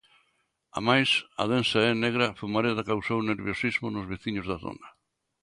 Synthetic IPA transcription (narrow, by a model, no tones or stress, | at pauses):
a̰majsɐ̰ð̞ensaɛneɣɾɐfumaɾeðakawsowneɾβjosizmʊnʊzβeθiɲʊzðaθo̰nɐ